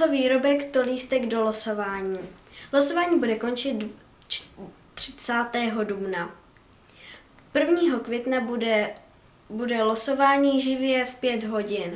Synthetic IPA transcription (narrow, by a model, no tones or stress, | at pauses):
oviːɾo̞bɛkt̪oliːst̪ɛɡdo̞losovaːɲiːlosovaːɲiːbudɛko̞nt͡ʃɪt̪ | t͡ʃ | t̪r̝̥ɪ̥t͡saːt̪ɛːɦo̞dubna | pr̩vɲiːɦo̞kvjɛt̪naɛ | budɛloso̞vaːɲiːʒɪvjɛfpjɛt̪ɦo̞ɟɪn